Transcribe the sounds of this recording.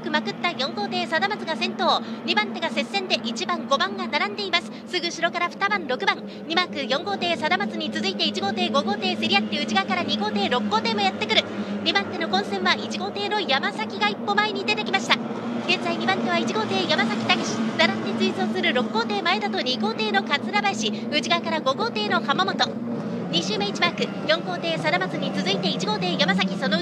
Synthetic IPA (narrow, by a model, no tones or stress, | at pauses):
kɯ̟makɯ̟t̪ːajõ̞ŋɡo̞ːt̪e̞ːsad̪amat͡sɨɡasẽ̞nt̪o̞ːɲ̟ibãnt̪e̞ɡase̞sːẽ̞nd̪e̞ʔit͡ɕibãŋɡo̞bãŋɡanaɾãnd̪e̞imasɨ̥sɨɡɯ̟ɕiɾo̞kaɾaɸɯ̥t̪abãnɾo̞kɯ̟bãŋ | ɲʲimakɯ̟jõ̞ŋɡo̞ːt̪e̞ːsad̪amat͡sɨɲ̟it͡sɨzɨit̪e̞it͡ɕiɡo̞ːt̪e̞ːɡo̞ɡo̞ːt̪e̞ːseɾʲijat̪ːeɯ̟t͡ɕiɡakaɾaɲ̟iɡo̞ːt̪e̞ːɾo̞kːo̞ːt̪e̞ːmo̞jat̪ːe̞kɯ̟ɾɯ̟ɲ̟ʲimant̪e̞no̞kõ̞ɰ̃sẽ̞ɰ̃βait͡ɕiɡo̞ːt̪e̞ːno̞jamasakʲiɡaipːo̞maeɲ̟id̪e̞t̪e̞kʲimaɕi̥t̪a | ɡ̥ẽ̞nzaiɲ̟imãnt̪ːe̞βait͡ɕiɡo̞ːt̪e̞ːjamasakʲi̥t̪aɡeɕi̥d̪aɾat̪ːet͡sɨisoːsɨɾɯ̟ɾo̞kːo̞ːt̪e̞ːmae̞d̪at̪o̞ɲ̟ʲiɡo̞ːt̪e̞ːno̞kat͡sɨɾabaeɕi | ɯ̟ʑiɡakaɾaɡo̞ɡo̞ːt̪e̞ːno̞hamamo̞t̪o̞ | ɲ̟iɕɨːmẽit͡ɕimakɯ̟ | jõ̞ŋko̞ːt̪e̞ːsad̪amat͡sɨɲ̟it͡sɨzɨit̪e̞it͡ɕiɡo̞ːt̪e̞ːjamas̬akʲiso̞no